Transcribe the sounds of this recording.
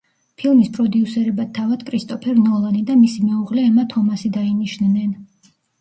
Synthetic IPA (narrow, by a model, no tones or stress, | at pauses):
pʰilˠmispʼɾɔd̪iusɛɾɛbat̪ʰːavad̪̥kʼɾist̪ʼɔpʰɛɾnɔlˠanid̪amisimɛuʁlɛːmat̪ʰɔmasid̪ainiʃnnɛn